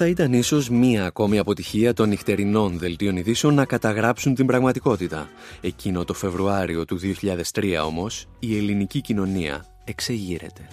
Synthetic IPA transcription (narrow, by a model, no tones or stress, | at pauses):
θɐit̪ɐniso̞zmiɐːko̞miɐpo̞t̪içiɐt̪o̞nixt̪e̞ɾino̞nðe̞lt̪io̞niðise̞o̞nːɐkɐt̪ɐɣɾɐpsunt̪imbɾɐɣmɐt̪iko̞t̪it̪ɐ̰ | e̞cino̞t̪o̞fe̞vɾuɐɾio̞t̪uðioçiʎɐðe̞st̪ɾiɐ̰o̞mo̞s | ie̞linicicino̞niɐ̰ | e̞kse̞ʝiɾe̞̰t̪e̞